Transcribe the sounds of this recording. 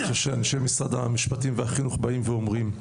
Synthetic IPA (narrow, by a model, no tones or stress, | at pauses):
χeʃeanʃemisʁad̪amiʃpat̪imvehaχinuχbaimveomʁim